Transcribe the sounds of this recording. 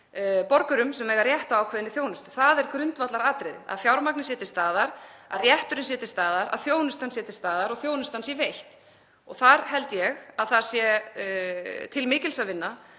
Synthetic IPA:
pɔɾkʏɾʏmsɛmɛːɣaɾrjɛht̪aawkʰvɛðɪnːɪθjoːwnʏst̪ʏ̥θaðɛɾkɾʏnt̪vat̪laɾaːt̪ɾɪða̰ðfjawɾmaknɪsjɛːt̪ɪ̥st̪aːðaɾaðrjɛht̪ʏɾʏns̬jɛːt̪ɪ̥st̪aːðaɾa̰ðθjoːwnʏst̪ansjɛt̪ɪ̥st̪aːðaɾɔɣθjoːwnʏst̪ansivejht̪ | ɔɣθaɾ̥ɦɛlt̪jɛɣaðθḁsjɛ | t̪ʰɪlmɪːcɪlsavɪnːa

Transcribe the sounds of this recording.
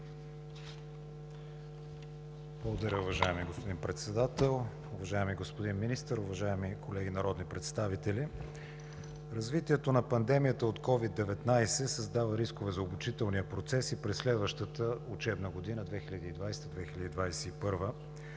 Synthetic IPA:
blˠəɡod̪ɐɾʲəʊvɐʒaɛmiɡospod̪inpɾɛt̪sɛd̪at̪ɛlˠ | ʊvɐʒaɛmiɡospod̪inminist̪əɾʊvɐʒaɛmikʰolɛɡinɐɾɔd̪nipɾɛt̪st̪avit̪ɛli | ɾɐzvit̪iɛt̪onɐpɐnd̪ɛmijət̪əot̪kɔvid̪ːɛvɛt̪najsɛsɐzd̪avəɾiskovɛzɐobut͡ʃit̪ɛlˠnijəpɾot̪sɛsipɾɛsːlɛd̪vəʃt̪ət̪əʊt͡ʃɛbnəɡod̪inəd̪vɛxilʲɐd̪iːd̪vajsɛ̥t̪əd̪vɛxilʲəd̪id̪vajsɛipɤɾvə

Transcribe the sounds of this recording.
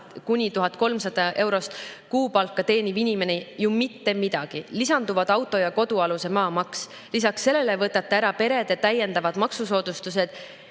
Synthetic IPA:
kunʲit̪uɦɑt̪̚ˑko̞lmsɑd̪̥ɑʔe̞wɾo̞st̪kuːpɑlkːˑɑt̪e̞ːnivinʲime̞nejumit̪ːe̞mid̪̥ɑɡ̥ilisɑnd̪uvɑd̪̥ɑwt̪ːˑo̞jɑko̞d̪̥uɑluse̞mɑːmɑks | lisɑksːe̞lːe̞le̞vɤt̪ːˑɑt̪ːˑeæɾɑpe̞ɾe̞d̪et̪æje̞nd̪ɑvɑd̪̥mɑksuso̞ːd̪̥ust̪use̞d̪̥

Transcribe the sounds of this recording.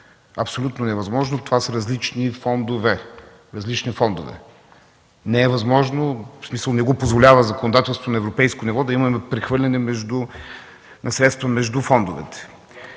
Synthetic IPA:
ɐpsolʲut̪nonɛvɐzmɔʒnot̪ovasəɾɐzlit͡ʃnifɔnd̪ovɛ | ɾɐzlit͡ʃnifɔnd̪ʊ̰vɛ̰ | nɛɛvɐzmɔʒnosmisəlˠnɛɡɔpozvolʲavəzɐkonod̪at̪ɛlˠst̪vonɛvɾopɛjskonivɔd̪ɐimɐmɛpɾɛxvɤɾlʲɐnɛmɛʒd̪ʊ | nɐsɾɛt̪st̪vəmɛʒd̪ufɔnd̪ʊvɛ̰t̪ɛ̥

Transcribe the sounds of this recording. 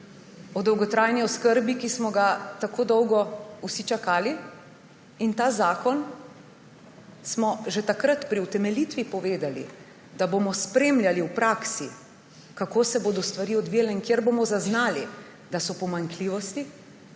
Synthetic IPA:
ɔd̪ɔwɡɔt̪ɾaːjniɔskəɾbikismɔɡat̪akʰoːd̪ɔwɡɔusit͡ʃakaːli | int̪aːzaːkɔn | smɔʒɛt̪akɾat̪pɾiut̪ɛmɛlit̪ʋipɔʋeːd̪alḭ | d̪abomɔspɾemljaliwpɾaksi | kakoːsɛboːd̪ɔst̪ʋaɾiːɔd̪ʋijalɛiŋkjeɾboːmɔzaznaːli | d̪asɔpɔmaŋkliːʋɔst̪i

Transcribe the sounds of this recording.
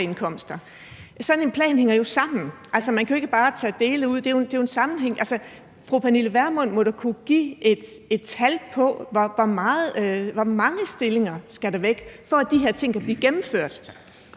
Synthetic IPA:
enkʰɒ̽m̰sd̥ɐ | sɒ̽ne̝npʰlɛ̰ːnheŋɐjo̝sɑ̈m̰n̩ʔælsɐmænkʰæo̝e̝ɡ̥əb̥ɑ̈ːt͡sʰɛ̰ːd̥e̝ːləuð̞̰ˠd̥e̝jod̥e̝jo̝e̝nsɑ̈mn̩ɦeŋ̰ʔælsə | fʁupʰæniləʋæɐmɔ̽n̰mɒ̽ɾ̥ukʰuɡ̥ḭːʔe̝d̥e̝d̥t͡sʰælpʰɒ̽ʋɒʋɒmɑ̈ːð̩ˠʋɒmɑ̈ŋəsd̥e̝le̝ŋɐsɡ̥æɾɑʋeɡ̥fɒ̽æd̥iɦeɐ̰t͡sʰe̝ŋ̰kʰæb̥liːɡ̥emm̩føɐ̰d̥

